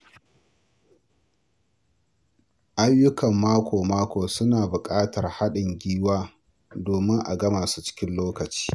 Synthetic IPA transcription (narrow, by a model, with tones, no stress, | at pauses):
ʔa˦jːʊ˦kɐ˨mːaː˦kʷoː˨maː˦kʷoː˨sʊ˦naː˨bʊ˨kʼaː˦tɐ˨rha˦ɗɪ˨ŋɡʲiː˦waː˦ | doː˨mɪ˦ŋʔa̰˨ɡɐ˦maː˨su̥˦t͡ʃɪ̥˦kʲɪ˦nloː˦kɐ˨t͡ʃi̥ː˦